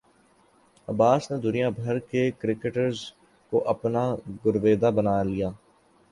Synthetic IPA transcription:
əbaːsneːd̪ʊnijãːbʱəɾkekɾɪkəʈəɾz | koʔəpnaːɡʊɾʋeːd̪aːbənaːlɪjaː

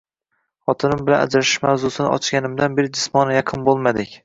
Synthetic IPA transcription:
χɒt̪ʰɪnɪmbɪla̰na̰d͡ʒɾaʃɪ̥ʃmawzʊsɪnɪ̰ʔɒ̰t͡ʃɡʲanɪmd̪anbeɾɪd͡ʒɪsmɒnɪjɑqʰɨnbolˠmad̪ɪkʲ

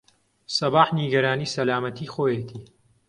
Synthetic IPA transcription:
sɐbaːħniɡɐɾaːniːsɐlaːmɐt̪ʰiːxoːjet̪ʰiː

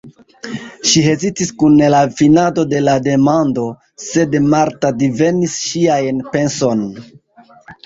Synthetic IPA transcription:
ʃiɦe̞zitiskunelafinado̞de̞lade̞mando̞ | se̞dmaɾtadive̞nisʃiajnpe̞nso̞n

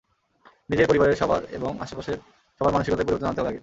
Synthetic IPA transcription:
nid͡ʑeɾpoɾibaɾeɾʃɔbʱa̰ɾḛboŋa̰ʃopaʃeɾ | ʃɔbʱaɾmanuʃikɔt̪eɾpoiboɾt̪onant̪ealaɡe

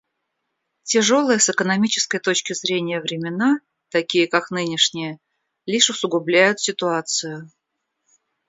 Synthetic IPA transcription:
tʲɪʐo̞lˠəjəsɨkənɐmʲit͡ɕɪ̥skəjt̪ot͡ɕkʲɪzɾʲenʲɪjəvɾʲɪmʲɪna | t̪ɐkʲijəkaknɨnʲɪʂnʲɪjə | lʲiʂʊsʊɡʊblʲæjʊt̪sʲɪt̪ʊat̪sɨjʊ

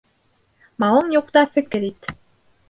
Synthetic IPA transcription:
mɑwɤɴjuq̚t̪ɑfɘ̆kɘɾit̪

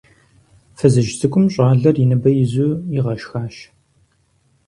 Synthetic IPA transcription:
fɨzɨʒsɨkʷʼʊmɕʼɑːɮɐrjɪnɐbɐjɪzuːjɪʁɐʃxaːʃ

